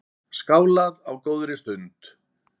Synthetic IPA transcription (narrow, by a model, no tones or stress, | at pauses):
skaːwlaðawkoːwðɾɪst̪ʏnt̪